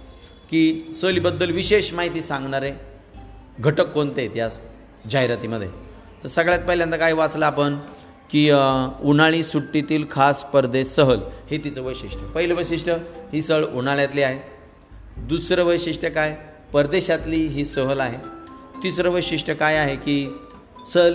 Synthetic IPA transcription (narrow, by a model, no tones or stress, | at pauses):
kiːsəlibəd̪ːəlʋiɕeɕmaɦit̪iːsãŋɡɳaɾe | ɡʱəʈəkːont̪et̪jas | d͡ʑaɦjɾat̪iməd̪ʱje | t̪əɾsəɡɭjat̪̚pəɦiljãnt̪akaɦiʋat͡slaːpən | kiːunaɭ̃iːsuʈːit̪iːlkʰaspəɾd̪eɕːəɦəlhet̪it͡səʋəjɕiʂʈʰəpəɦileʋəjɕiʂʈʰəhiːsəɭunaɭjat̪liːaɦe | d̪usɾəʋəjɕiʂʈəkaj | pəɾd̪eɕat̪liːɦiːsəɦəlaɦet̪isɾəʋəjɕiʂʈʰəkajaɦekiː | səl